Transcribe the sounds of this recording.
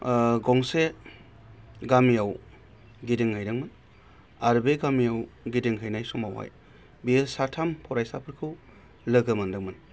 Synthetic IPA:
ɡɔŋse | ɡamijaw | ɡidiŋhɯjɾɯŋmɯn | aɾbeɡamijawɡidiŋɦɯjnajsumawha̰j | bisatʰampʰɔɾajsapʰɯɾkʰɯw | lɯɡɯmɯndɯŋmɯn

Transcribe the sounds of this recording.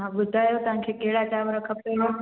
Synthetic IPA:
ɦãɓʊd̪ʱaːjot̪ɐʋ̤ãkʰeːkɐɦɪɽat͡ɕaːʋɾɐkʰəb̚kɐjo

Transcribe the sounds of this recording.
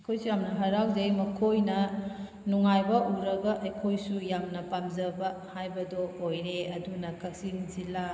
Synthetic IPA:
ɐkʰojsujamnɐɦɐɾawzejmɐkʰojnɐ | nuŋajbɐʔuɾɐɡɐʔːjkʰojsujamnɐpamzɐbɐhajbɐdoːjɾeɐdunɐkɐk̚sinzila

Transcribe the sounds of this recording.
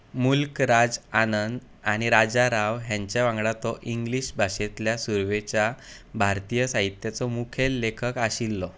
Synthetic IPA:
mulkɾad͡zanənd̪ | aɽ̃iɾad͡zaɾaʋɦjãɲt͡ɕjaʋãŋɡɽat̪ɔʔiŋɡliɕbʱaɕet̪ljasuɾʋet͡ɕja | bʱaɾt̪ijəsaɦit̪jat͡sɔmukʰelːekʰəkaɕilːɔ

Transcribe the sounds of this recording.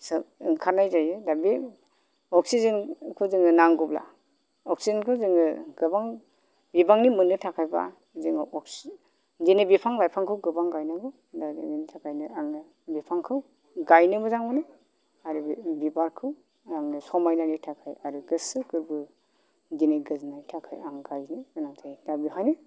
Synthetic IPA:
sɯkʰaɾnajzajɯdabi | ɔk̚sizɯnkʰɯzɯŋɯnaŋɡubla̰ | ɔk̚sizankʰɯzɯŋɯɡ̥ɯbaŋ | bibaŋnimɯnɯtʰakʰajba̰ | zɯŋɯʔɔks | dinɯbipʰaŋlajpʰaŋkʰɯwɡɯbaŋɡajnɯbɯ | daḭinitʰakʰajnɯaŋnɯ | bipʰaŋkʰɯw | ɡajnɯbɯzaŋbɯnɯ | aɾubibaɾkʰɯw | aŋnɯsɔmajnanitʰakʰajaɾuɡɯsɯkʰɯɾbɯ | dineɡɯznatʰakʰa̰jaŋɡajnizɯnatʰajdabipʰajnɯ

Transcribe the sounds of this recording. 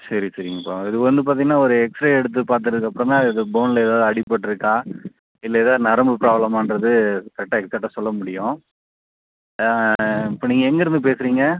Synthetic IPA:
sɐɾisɐɾɪŋɡɐpːaːɪðɯkʋɐnd̪ɯp̬aːɾt̪iŋɡɐnːaːɔɾɯɛksʈɾaɛɽɯt̪̬ːɯpaːɾt̪̬ɯʈɐðɯkːɐpːɯɽɐ̃nãːɪðɯboːnlɐɛːðaːðɯɐɽɪpːɐʈːɯɾɯkːaː | ɪlːɐɛðaːnɐɾɐmbɯpɾaːblɐmaːnɾɐðɯt̪ɐʈːɐkt̪ɐʈːɐsɔlːɐmʊɽɪjʊ̃ | ɪpːoːniːŋɡɐɛŋɡɐɪɾɯnd̪ɯp̬eːsɯɾiːŋɡɐ

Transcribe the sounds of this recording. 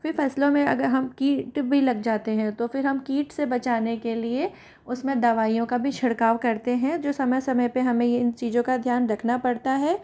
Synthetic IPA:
fɪɾfɛːslõmẽɐ̰ɡəɾɦɐmkiːʈbʱilɐɡd͡ʒaːt̪eɦɛ̃t̪ofɪɾɦɐmkiːʈsebɐt͡ʃaːnekelie | ʊsmẽd̪ɐʋaːijõkabʱiʃʰɪɽkaːʋkɐɾt̪eɦɛ̃d͡ʒoːsɐməjsɐməjpeɦɐmẽjɪnt͡ʃiːzõkad̪ʱjaːnɾɐkʰnapɐɽt̪aɦɛː

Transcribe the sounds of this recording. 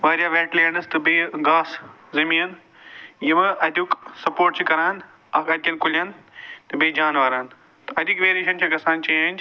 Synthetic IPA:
ʋaːɾjaʋɛːʈlenɐst̪ɐbeɡaːs | zɐmiɐn | jɐmɐɐd̪ʊksɐpoːɾʈ̚t͡ʃʰikɐɾaːn | ɐkɐd̪̚kɐnkʊlijant̪ɐbeːd͡ʒaːnʋaːɾaːn | t̪ɐɐd̪ʊkʋeːɾeːʃɐnt͡ɕʰaɡɐsaːnt͡ʃɐjaːn

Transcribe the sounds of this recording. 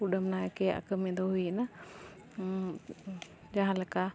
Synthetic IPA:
uɗəmnajɛkɛja̰ʔkəmɛ̃d̪ɔɦujina | d͡ʒaɦãlɛka

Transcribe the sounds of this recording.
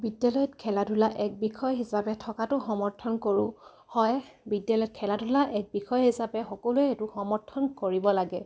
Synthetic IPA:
bidjalɔjɔtkʰɛladʱulaʔɛk̚bixʰɔjɦisapɛtʰɔkatʊxɔmɔɹtʰɔnkoɹʊ̰̃ | hɔjbidjalɔjɔt̚kʰɛladulaʔɛk̚bixʰɔjɦisapɛxɔkɔluɛetʊxɔmɔɹtʰɔnkoɹibɔlaɡɛ

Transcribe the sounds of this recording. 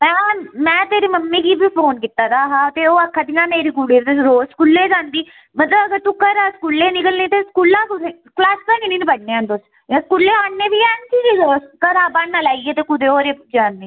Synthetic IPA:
mɛ̃ːmɛ̃ːt̪eːɾeːməmːeːkiːbiːpʰoːnkɪt̪ːaːd̪aːɦãːt̪eːoːəkʰːãːd̪ɪnãːneːɾiːkuːɽiːt̪eɾoːskulːeːd͡ʒãːnd̪iː | mət̪ləbəɡəɾt̪uːkəɾaskuːlːeːnɪkəlniːt̪eːskuːlãːkʊɾe | klaːskəniːniːnbəɽneːãːnd̪ʊs | jãːskuːlːeːaːɳneːʋiːɛːnsiːiskəɾaːbaːɳnaːlaːiːeːt̪eːkʊd̪eːoːɾeːd͡ʒaːnd̪eː

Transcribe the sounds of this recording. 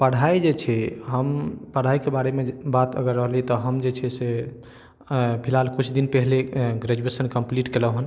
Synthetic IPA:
pəɽ̤ʱaid͡ʒet͡ʃʰɛɦəmpəɽ̤aikebaɽemebat̪ə̰ɡəɾːəɦlit̪ɔɦəmd͡ʒet͡ʃʰɛse | pʰilalkut͡ʃʰd̪inpɛɦleɡɾed͡ʒuesənkəmpliʈkeləɦun

